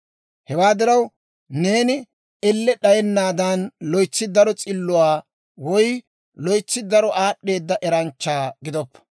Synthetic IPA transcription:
hɛwaːd̪ɪɾɐw | neːnɪ | ɛlːɛɗɐjɛnːaːd̪anlɔjt͡sːɪd̪ɐɾɔt͡sʼɪlːʊwaː | wɔj | lɔjt͡sːɪd̪ɐɾɔʔaːɗːe̞ːd̪ːɐʔɛɾɐnt͡ʃːaːɡɪd̪ɔpːɐ̥

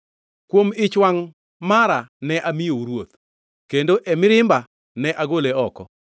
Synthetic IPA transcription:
kwomɪt͡ʃwaŋ | maɾanɛʔamɪjoɾwot̪̚ | kendoʔɛmɪɾɪmba | nɛʔaɡoleɔkɔ

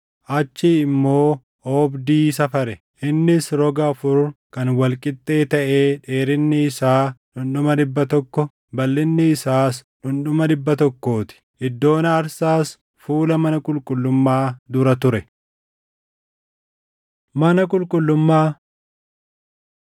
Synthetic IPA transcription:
ʔɐt͡ʃːɪɪmːo̞ː | oːbd̪iːsɐfɐɾɛ | ʔɪnːɪsɾɔɡɐɐfʊɾkɐnwɐlkʼɪt̪ʼːe̞ːt̪ɐʔe̞ːᶑe̞ːɾɪnːɪːsaːᶑʊnɗʊmɐd̪ɪbːɐt̪ɔkːɔ | bɐlːɪnːɪːsaːsᶑʊnɗʊmɐd̪ɪbːɐt̪ɔkːo̞ːt̪ɪ̥ʔɪd̪ːo̞ːnɐɐɾsaːs | fuːlɐmɐnɐkʼʊlkʼʊlːʊmːaːd̪ʊɾɐt̪ʊɾɛ | mɐnɐkʼʊlkʼʊlːʊmːaː

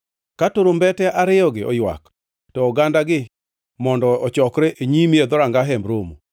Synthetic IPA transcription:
katoɾombɛtɛʔaɾɪɔɡɪʔɔ̰jwa̰k | tɔːɡandaɡɪ | mɔndɔɔt͡ʃɔkɾɛʔeɲimied̪ɔɾaŋɡaɦɛmbɾomṵ

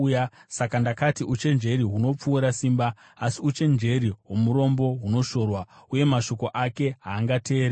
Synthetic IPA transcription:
jasakandakatiʔut͡ʃe̞nd͡ʒe̞riɦuno̞p͡fuːɾasiːmbaː | siut͡ʃe̞nd͡ʒe̞ɾiwo̞muɾo̞mbo̞ɦuno̞ʃo̞rwauje̞maʃo̞ko̞ʔake̞ɦaːŋɡatʰe̞ːɾe

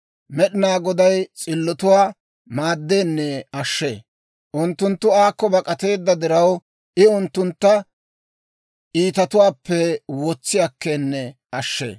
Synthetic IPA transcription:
mɛɗɪnaːɡɔd̪ɐjt͡sʼɪlːɔt̪ʊwaː | maːd̪ːeːnːɛɐʃːḛː | ʔʊnt̪ːʊnt̪ːʊaːkːɔbɐkʼɐt̪e̞ːd̪ːɐd̪ɪɾɐw | ʔɪʊnt̪ːʊnt̪ːɐ | ʔiːt̪ɐt̪ʊwaːpːɛwɔt͡sːɪjɐkːeːnːɛ | ɐʃːḛː

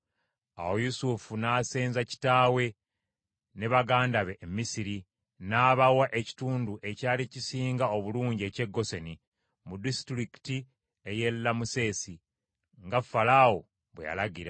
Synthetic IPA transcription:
a̰wo̞jusufunaːseːnzaci̥taːwe̞ | ne̞βaɡaːndaβe̞ʔːmːisiɾi | naːβawaʔe̞ci̥tuːnduʔe̞caːlicisiːŋɡao̞βuluːɲɟie̞ce̞ɡːo̞seni | mudistɾiki̥ti | eje̞lːamuse̞ːsi | ŋɡafalawo̞ | βweja̰laɡiɾa

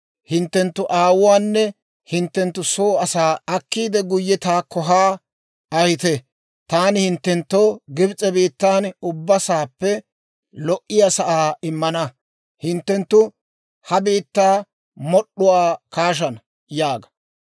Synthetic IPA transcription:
hɪnt̪ːɛnt̪ːʊʔaːwʊwaːnːɛ | hɪnt̪ːɛnt̪ːʊsoːɐsaːɐkːiːd̪ɛɡʊjːɛt̪aːkːɔɦaː | ɐjɪt̪ɛ | t̪aːnɪhɪnt̪ːɛnt̪ːoɡɪbt͡sʼɛbiːt̪ːaːnʊbːɐsaːpːɛ | lɔʔːɪjasɐʔaːɪmːɐnɐ | hɪnt̪ːɛnt̪ːʊ | hɐbiːt̪ːaː | mɔɗːʊwaːkaːʃ̬ɐnɐ | jaːɡɐ̥

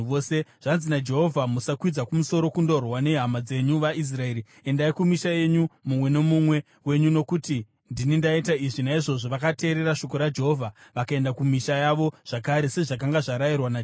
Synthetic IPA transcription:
oseʐ̥anzinad͡ʒe̞ɦo̞vʱamusakwid͡zakumuso̞ɾo̞kundo̞rwane̞ɦamad͡ze̞ɲuʋaʔis̬rae̞ːɾi | e̞ndaikumiʃaje̞ɲumumwe̞ne̞mumwe̞ | we̞ɲuno̞kuti | ndinindaitaiʐinaiʐo̞ʐoʋakate̞ːɾe̞ɾaʃo̞ko̞ɾad͡ʒe̞ɦo̞vʱaʋakaendakumiʃajaʋo̞ʐ̥akaɾe̞se̞ʐak̬aŋɡaʐaɾairwana

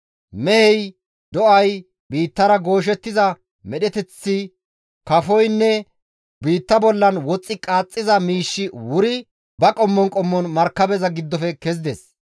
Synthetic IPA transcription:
mɛhɛj | d̪ɔʔɐj | biːt̪ːɐɾɐɡo̞ːʃ̬ɛt̪ːɪzɐ | mɛɗɛt̪ɛt͡sːɪ | kɐfɔjnːɛ | biːt̪ːɐbɔlːɐnwɔt͡sʼːɪkʼaːt͡sʼːɪzɐmiːʃːɪwʊɾɪ | bɐkʼɔmːɔnkʼɔmːɔnmɐɾkːɐbɛzɐɡɪd̪ːɔfɛkɛz̬ɪd̪ɛs

